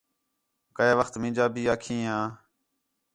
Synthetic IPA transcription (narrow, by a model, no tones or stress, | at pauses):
kəeːʋəxt̪mɪ̃ːd͡ʒaːbʱiːaːkʰĩːɦãː